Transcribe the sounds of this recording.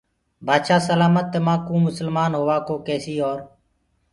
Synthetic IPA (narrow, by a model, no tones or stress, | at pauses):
bʱaːd̪ʃaːsəlaːmət̪ːeːmãːkũːmʊsəlmaːnɦoːʋaːkoːkɛːsiːoːɾ